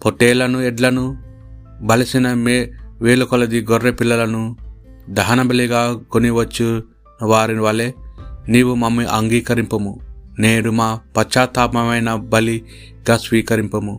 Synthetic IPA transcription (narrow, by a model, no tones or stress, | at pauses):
poʈːeːlɐnuɛɖlɐnu | bɐlɐsinɐmeʋeːlukolɐd̪iɡɔɾːepilːɐlɐnud̪ɐɦɐnɐbɐliɡaːɡoniʋɐt͡ʃːu | nɐʋaːɾiniʋɐleniːʋumɐmːiʔɐŋɡiːkɐɾimpɐmuneːɾumaːpɐt͡ʃːaːt̪aːmɐmɐjnɐbɐli | ɡaːsʋiːkɐɾimpɐmu